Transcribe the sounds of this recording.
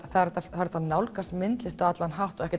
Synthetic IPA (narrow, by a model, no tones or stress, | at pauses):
θaɾt̪ːaaɾɛt̪ːanawlkasmɪnt̪lɪst̪aat̪lanɦawht̪ɔɣɛhcɪ